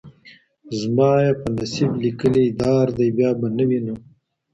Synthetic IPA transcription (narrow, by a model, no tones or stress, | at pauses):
zmɑːjepənasiblikəlid̪ɑːɾd̪ajbjɑːbanawinu